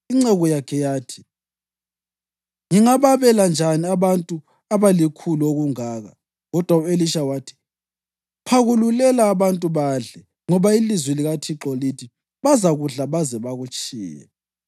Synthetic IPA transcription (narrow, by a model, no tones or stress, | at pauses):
iŋ͡ǀɛɣɔjakʰɛjaːtʰi̥ | ŋiŋaβaβɛland͡ʒʱaniaβantʼu | aβalikʰuluoɣuŋaːɣa̰ | ɣɔd̥ʱwaueliʃawaːtʰi̥ | pʰaɣululɛlaːβantʼuβaɮɛ | ŋɔβailizwɛliɣatʰiǁɔlitʰi | βazaɣuɮaβazɛβaɣut͡ʃʼḭːjɛ̰